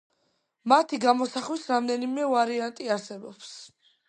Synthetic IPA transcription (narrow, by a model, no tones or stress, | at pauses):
mat̪ʰiɡamɔsaχwisɾamd̪ɛnimɛvaɾiant̪ʼiaɾsɛbɔps